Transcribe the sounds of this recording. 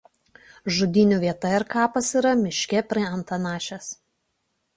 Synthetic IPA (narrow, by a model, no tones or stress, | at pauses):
ʒʊd̪ʲɪnʲuːʋʲiɛt̪ɐɪɾkɑːpɐsiːˑɾɐmʲɪʃʲkʲɛpʲɾʲiɛɐnt̪ɐnɑːʃʲɛs